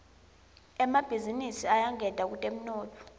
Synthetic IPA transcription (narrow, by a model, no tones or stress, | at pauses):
ɛmab̥ʱizinisiajaŋɛd̥ʱak̬utʼem̩nɔːtʰʼɔ̥